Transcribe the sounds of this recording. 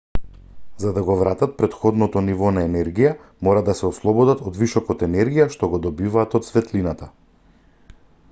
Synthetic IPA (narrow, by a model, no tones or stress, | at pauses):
zad̪aɡɔvɾat̪at̪̚pɾɛt̪xɔd̪nɔt̪ɔnivɔnaɛnɛɾɡija | mɔɾad̪asɛɔslˠɔbɔd̪at̪ɔd̪visɔkɔt̪ɛnɛɾɡijaʃt̪ɔɡɔd̪ɔbivaːt̪ɔt̪svɛt̪linat̪a